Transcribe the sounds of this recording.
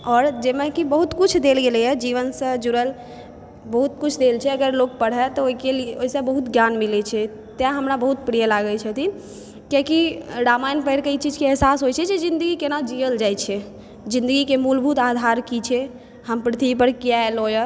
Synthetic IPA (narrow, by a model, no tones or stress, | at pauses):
ɔːɾd͡ʒemẽkibəɦut̪kut͡ʃʰd̪elɡelɛjəd͡ʒiʋənsə̃d͡ʒuɾəl | bəɦut̪kut͡ʃʰd̪elt͡ʃʰɛəɡəɾlok̚pəɽ̤ɛt̪ɔoikelieoisə̃bəɦut̪ɡjanmilɛt͡ʃʰɛ | t̪jãɦəmɾabəɦut̪̚pɾijəlaɡət͡ʃʰət̪ʰin | kjakiɖamajnpəjɾkəit͡ʃid͡ʒkeɛɦsasɦojt͡ʃʰɛd͡ʒed͡ʒĩnd̪əɡikenad͡ʒiəld͡ʒajt͡ʃʰɛ | d͡ʒĩnd̪əɡikemulbʱut̪ad̪ʱaɾkit͡ʃʰɛ | həmpɾət̪ʰiipəɾkijaelojə